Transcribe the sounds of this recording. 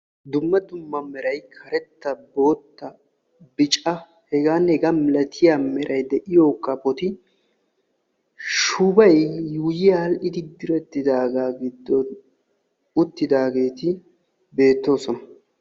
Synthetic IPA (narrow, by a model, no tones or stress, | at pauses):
d̪ʊmːɐd̪ʊmːɐmɛɾɐjkʰɐɾɛt̪ːɐbo̞ːt̪ːɐ | bɪt͡ʃʼɐ | hɛɡaːnhɛɡamɪlɐt̪ʰɪjamɛɾʔɐjd̪ɛʔɪjo̞ːkːɐpɔt̪ɪ | ʃʊbɐjːuːjɪjɐɐlʔɪd̪ɪd̪ɪɾɛt̪ːɪd̪aːɡaːɡɪd̪ːɔn | ʊt̪ːɪd̪aːɡe̞ːt̪ɪ | be̞ːt̪ːo̞ːsɔnɐ